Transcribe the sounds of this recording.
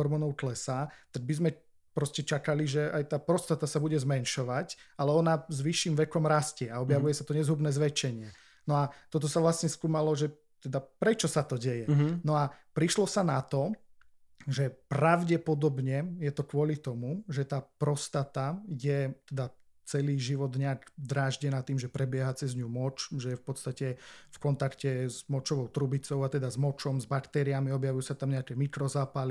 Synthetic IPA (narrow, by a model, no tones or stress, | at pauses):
ɔɾmɔːnɔʊk̪lɛsat̪aɡ̚bizmɛ | pɾɔscɛt͡ʃakaliʒɛajt̪aːpɾɔst̪at̪asabuɟɛzmɛnʃɔʋacalɛɔnazʋiʃːimʋɛkɔmɾascɪɛaɔbjaʋujɛsat̪ɔɲɛzɦubnɛːzʋɛt͡ʃɛɲɪɛ | nɔat̪ɔt̪̬ɔsaʋlasɲɛskuːmalɔʒɛ | t̪ɛd̪apɾɛt͡ʃɔsat̪ɔɟɛjɛnɔapɾiʃlɔsanat̪ɔ | ʒɛpɾaʊɟɛpɔd̪ɔbɲɛjɛt̪ɔkʋʊɔlit̪ɔmuʒɛt̪aːpɾɔst̪at̪ajɛt̪ɛd̪a | t͡sɛliːʒiʋɔd̪ɲɛaɡd̪ɾaːʒɟɛnaːt̪iːmʒɛpɾɛbɪɛɦat͡sɛzɲumɔt͡ʃʒɛjɛfpɔt̪st̪acɛfkɔnt̪akcɛzmɔt͡ʃɔʋɔʊt̪ɾubit͡sɔʊat̪ɛd̪azmɔt͡ʃɔmzbakt̪ɛɾiamiɔbjaʋujusat̪amɲɛakɛːmikɾɔzaːpali